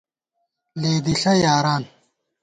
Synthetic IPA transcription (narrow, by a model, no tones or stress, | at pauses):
leːd̪iɬɐjaːɾaːn